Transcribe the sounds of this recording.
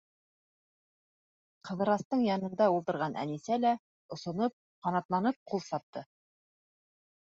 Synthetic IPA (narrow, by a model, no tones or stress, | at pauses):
qɤ̆ðɤ̆ɾɑst̪ɤɴjɑnɤ̆nd̪ɑulˠt̪ɤ̆ɾʁɑnʔæ̰nisælæ | ŏsŏnop̚ | qɑnɑt̪lˠɑnɤp̚qʰulˠsɑp̚t̪ɤ